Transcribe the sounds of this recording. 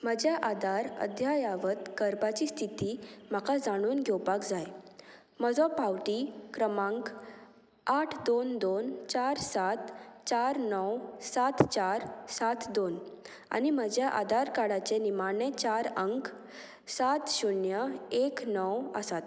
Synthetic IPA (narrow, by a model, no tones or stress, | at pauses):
məd͡ʑjaʔad̪aɾə̰d̪ʱjajaʋət̪kəɾbat͡ɕiːst̪ʰit̪iːm̤akad͡zaɽ̃uːnɡʱewpakd͡zaj | məd͡zɔpawʈiːkɾəmãŋk | aʈʰd̪ond̪ont͡ɕaɾsat̪t͡ɕaɾnɔwsat̪t͡ɕaɾsat̪ʰd̪on | a̰niməd͡ʑjaʔa̰d̪aɾkaɽat͡ɕenimanet͡ɕaɾəŋk | sat̪ɕunjəeknɔwə̰sat̪